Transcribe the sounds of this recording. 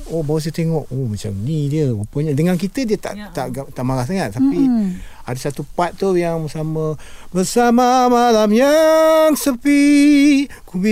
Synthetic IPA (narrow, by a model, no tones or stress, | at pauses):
ohbawas̬ət̪eŋɔʔomat͡ʃa̰mnidiəupəɲədəŋankit̪ədiət̪a̰ʔt̪aʔɡt̪aʔmaɾahsaŋat̪̚t̪ːapi | adasat̪upat̪̚ːt̪ːojaŋbəsamabəsamamalamjaŋsəpi | kubi